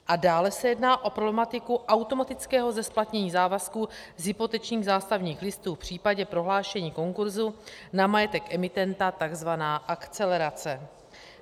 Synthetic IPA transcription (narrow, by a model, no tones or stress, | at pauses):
ʔadaːlɛsɛjɛdnaːʔo̞pɾoblɛmat̪ɪkuʔawt̪o̞mat̪ɪt͡skɛːɦo̞zɛsplat̪ɲɛɲiːzaːvaskuːzɦɪpo̞t̪ɛt͡ʃɲiːɣzaːst̪avɲiːxlɪst̪uːfpr̝̥iːpaɟɛpɾo̞ɦlaːʃɛɲiːko̞ŋkuɾzunamajɛt̪ɛkʔɛmɪt̪ɛnt̪at̪aɡzvanaːʔakt͡sɛlɛɾat͡sɛ